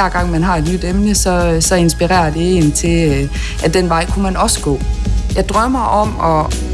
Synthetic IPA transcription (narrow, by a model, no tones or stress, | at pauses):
æɐ̰ɡ̥ɑ̈ŋ̰mænɦɑ̈e̝d̥nyd̥emnəsɒ̽sɒ̽e̝nsb̥iʁɛ̰ːɐd̥e̝e̝ːn̩t͡sʰe̝ | ʔæd̥en̰ʋɑ̈ɪ̰kʰumænɒ̽sə̥ɡ̥ɔ̰ːjɑ̈ɪd̥ʁɶɐ̰mɑɪʔɒ̽m̰ɒ